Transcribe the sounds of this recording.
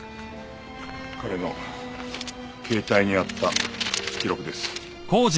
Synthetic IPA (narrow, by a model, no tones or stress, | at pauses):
kaɾe̞no̞ | kʰe̞ːt̪aiɲ̟iat̪ːakʲiɾo̞kɯ̟d̪e̞sɨ̥ | koːʑ